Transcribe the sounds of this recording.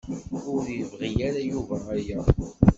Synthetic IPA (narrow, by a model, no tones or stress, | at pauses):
ʊɾivʁijæɾajuvææɾjæ